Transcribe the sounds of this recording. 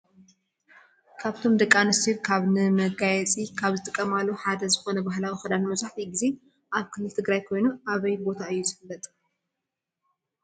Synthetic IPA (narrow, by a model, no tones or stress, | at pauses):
kʰaβt̪ʰo̞md̪ɐkʼːanɨst̪iɾkʰaβnɨmɐɡajɛt͡sʼikʰaβzɨt̪ʼɨkʼːɐmalːoħad̪ɐzɨxo̞nɐbaɦlawixɨd̪anmɐzaħt̪iɡize̞ | ʔaβkʰɨlːɨlt̪ʰɨɡɾajkʰo̞jnuaβɐjbo̞t̪ʰaɨjːuzɨfɨlːɐt̪ʼ